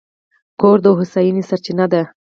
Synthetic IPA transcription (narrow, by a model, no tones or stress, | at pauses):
koɾd̪əɦʊsajinisaɾt͡ʃinad̪a